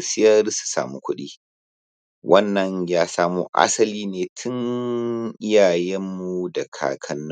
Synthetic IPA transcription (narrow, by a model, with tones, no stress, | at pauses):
sɪ˦jɐ˦rsu̥˨sa̰ː˨mu˦kʷʊ˦ɗiː˦ | wʔɐ˦nːɐ˨ɲjaː˦saː˦muː˦ʔa̰˦sɐ˦liː˦neː˨tʰʊ˦ŋ | ʔɪ˦jaː˨jɛ˦mːu˦dɐ˨kʰa̰ː˨kʰɐ˨nː˦